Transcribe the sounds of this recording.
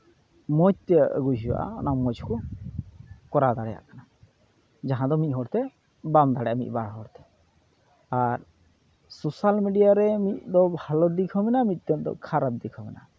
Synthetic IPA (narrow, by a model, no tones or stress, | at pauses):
mɔd͡ʒt̪ɛɡuɦiwa̰ʔa̰ɔnamɔd͡ʒkɔ | kɔɾad̪aɽɛja̰ʔkana | d͡ʒaɦãd̪ɔmit̪̚ɦɔɽt̪ɛ | bamd̪aɽɛʔamḭt̪̚ˀbaɽɦɔɽt̪ɛ̥ | aɾ | sosalmiɖijaɾɛmit̪̚d̪ɔbʱalɔd̪ikʰɔmɛnamit̪̚ˀt̪ɛd̪ɔ̰kʰaɾab̚d̪ikʰɔmɛna̰